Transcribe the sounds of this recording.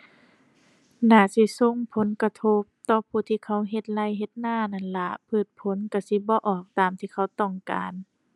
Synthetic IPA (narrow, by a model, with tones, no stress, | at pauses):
naː˧˩si˧so˧˨ŋpʰo˨˦nka˧t̪ʰo˧p̚t̪ɔː˧˦pʰuː˧˩t̪ʰiː˧kʰa˧˥˨wɦe˧t̪̚la˧˥˨jɦe˧t̪̚naː˧˥˨na˧˩nla˧pʰɯː˧˩t̪̚pʰo˧˦nka˧˩si˧˦bɔː˧˦ʔɔː˧˩k̚t̪aː˨mt̪ʰiː˧˨kʰa˧˩wt̪ɔ˧˩ŋka̰ː˨n